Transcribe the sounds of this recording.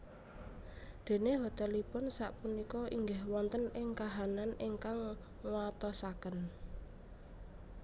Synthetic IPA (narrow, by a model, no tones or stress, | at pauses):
d̪̥e̤neɦot̪elipʊnsaʔpunikɔʔiŋɡahwɔnt̪ənɪŋkaɦananiŋkaŋ | wat̪ɔsakən